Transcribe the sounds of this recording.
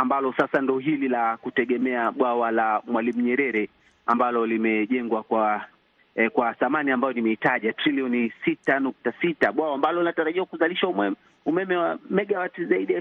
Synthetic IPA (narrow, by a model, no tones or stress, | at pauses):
ambalɔsasandɔɔɦililakutɛɠɛmɛaɓwawalamwalim̩ɲɛɾɛɾɛ | ambalɔlimɛʄɛŋɡwakwa | kwaθamaniambajɔnimɛitaʄatɾiliɔnisitanuk̚tasitaɓwawambalɔlinataɾaʄiwakuzaliʃaumɛm | umɛmɛwamɛɠawatizaiɗi